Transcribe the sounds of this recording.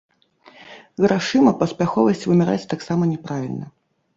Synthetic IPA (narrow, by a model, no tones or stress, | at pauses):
ɣɾaʂɨmɐpɐspʲaxɔvɐsʲt͡sʲvɨmʲɛɾa̰t͡sʲt̪aksamɐnʲɛpɾavʲilʲnɐ